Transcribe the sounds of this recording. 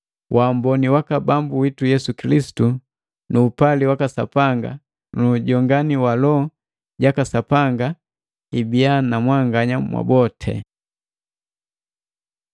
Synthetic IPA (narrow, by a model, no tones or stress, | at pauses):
wʔaːmbɔniwakabambuwitujɛsukilisi̥tu | nuːpaliwakasa̰paŋɡa̰ | nuɟɔŋɡaniwalɔ | ɟakasapaŋɡa | ibianamwaŋɡaɲamwʔa̰bɔtʰɛ̰